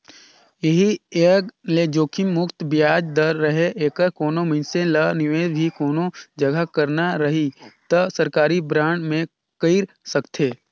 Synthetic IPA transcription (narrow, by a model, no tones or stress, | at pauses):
jeɦieːɡled͡ʒoːkʰɪmːʊkt̪bjaːd͡ʒd̪əɾːəɦeʔeːkəɾkoːnoməɪnsẽlənɪʋeːd̪bʱikoːnod͡ʒɐɡʱakəɾnaɾɐɦit̪əsəɾkaːɾibɾãːɳɖmẽ | kəɪɾ | səkt̪ʰeː